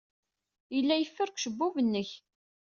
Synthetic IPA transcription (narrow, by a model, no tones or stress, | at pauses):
jəlːæjəfːəɾkʷʃəbːuvənːəç